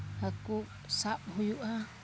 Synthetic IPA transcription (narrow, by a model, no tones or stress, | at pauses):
haku | saphujuʔa